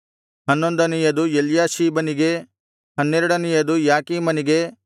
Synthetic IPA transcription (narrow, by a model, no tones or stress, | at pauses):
hɐnːond̪ɐnijɐd̪ujeljaːʃiːbɐniɡe̞ | hɐnːɛɾɐɽɐnijɐd̪ujaːkiːmɐniɡe̞